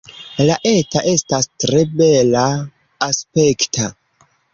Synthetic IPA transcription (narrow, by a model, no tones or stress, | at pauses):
laʔe̞taʔe̞stastɾe̞be̞laː | spe̞ktʰa